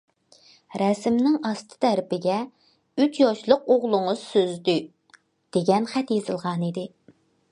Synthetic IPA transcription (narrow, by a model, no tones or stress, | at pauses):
ɾɛsmnɪŋɑst̪ʰɨ̥t̪ʰæɾpɪɡʲɛ | yt͡ʃjɑʃlˠəqoʁlˠʊŋʊzsøzd̪y | d̪̥eɡʲɛnχæt̪jezɨlˠʁɑnid̪ɪ